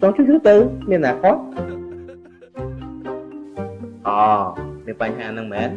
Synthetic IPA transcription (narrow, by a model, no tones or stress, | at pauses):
t͡ɕɔŋt͡ɕʰut͡ɕʰut̪ɨwmiənːaːkʰot̪̚ | ʔɔːmiənpaɲɦaːnɨŋmɛːn